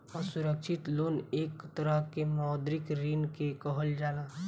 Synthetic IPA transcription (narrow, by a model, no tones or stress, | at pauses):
ɔsʊɾəkʃɪt̪loːneːkt̪əɾəɦkemaːd̪ɾɪkɾiːnkekəɦəld͡ʒaːlaː